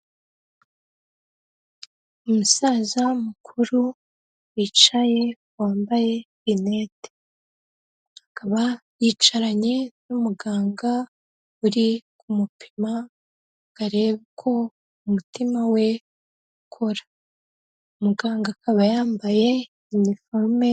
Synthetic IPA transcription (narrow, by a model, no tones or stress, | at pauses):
umusazamukʰuɾu | wiːt͡ʃaje̞ | waːmbaje̞vinete̥ | hakaβajiːt͡ʃaɾaɲe̞numuɡaːŋɡa | uɾikumupʰi̥ma | ɡ̥aɾe̞βkʰo̞ | umutimawe̞ | ukʰo̞ɾḁ | umuɡaːŋɡakaβajaːmbaje̞ | iɲifolme